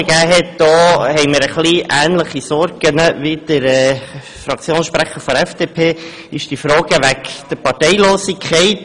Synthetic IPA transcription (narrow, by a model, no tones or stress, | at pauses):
əɡ̥æːɦɛtd̪̥ɔːhɛɪməɾəχliʔæːnləχisɔɾɡənəʋid̪̥əɾɛ | fɾɑkʰt͡sjoːnʃpɾæχəɾfɔɾɛfd̥epʰeː | ɪʃd̥ifɾɔːɡəʋækd̥əɾpɑɾtɛɪloːsikʰχɛɪt